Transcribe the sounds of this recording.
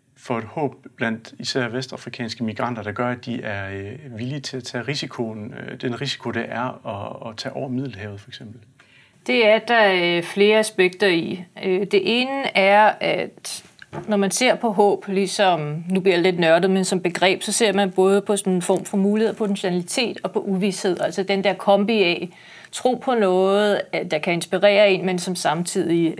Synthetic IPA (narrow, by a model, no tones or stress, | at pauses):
fɒ̽e̝d̥hɔ̰̽ːb̥b̥læn̰d̥isæɐ̰ʋesd̥ɑ̈fʁikʰɛ̰ːnsɡ̥əmiɡ̥ʁɑ̈n̰d̥ɐɾ̥ɑɡ̥ɶɐædd̥iæɐʋilit͡sʰe̝læt͡sʰɛ̰ːʁisikʰo̝nd̥enʁisi̥kʰo̝ɾ̥eʔæɐɒːt͡sʰɛ̰ːɒʊ̰ɐmið̞ˠl̩ɦɛʊð̩ˠfɒ̽eɡ̥sem̰b̥l̩ | d̥e̝æɐd̥ɑfle̝ːɐæsb̥eɡ̥̚d̥ɐiød̥e̝ʔe̝ːnəʔæɐæd̥ | nɒmænse̝ɐ̰pʰɒ̽ɦɔ̰̽ːb̥lisɒ̽mnub̥liɐælle̝d̥nɶɐd̥ð̩ˠmensɒ̽mb̥e̝ɡ̥ʁɛ̰ːb̥sɒ̽se̝ɐ̰mænb̥ɔ̽ːð̞ˠəpʰɒ̽sɔ̽nenfɒ̰ːmfɒ̽muːlihe̝ð̰ˠpʰɒ̥̽nɕe̝nælit͡sʰe̝̰ːd̥ɒ̽pʰɒ̽ʔuʋishe̝ð̞̰ˠælsɐd̥end̥æɐkʰɒ̽mb̥iɛ | t͡sʰʁo̝̰ːpʰɒ̽nɔ̽ːð̩ˠæjɑ̈kʰæe̝nsb̥iʁɛ̰ːɐe̝nmensɒ̽msɑ̈mt͡sʰið̞̰ˠi